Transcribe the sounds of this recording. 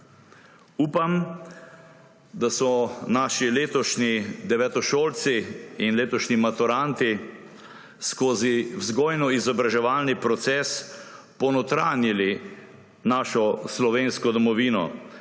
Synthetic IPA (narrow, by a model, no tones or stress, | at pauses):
uːpam | d̪asɔnaːʃileːt̪ɔʃnid̪ɛʋɛt̪ɔʃoːlt̪siinleːt̪ɔʃnimat̪uɾant̪i | skoːziwzɡoːjnɔizɔbɾaʒɛʋaːlnipɾɔt̪sɛːs | pɔnɔt̪ɾaːnjili | naːʃɔslɔʋeːnskɔd̪ɔmɔʋiːnɔ̰